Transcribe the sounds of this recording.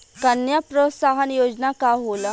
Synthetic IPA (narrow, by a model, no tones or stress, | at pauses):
kənjapɾotsaɦənjoːd͡ʒnakaɦola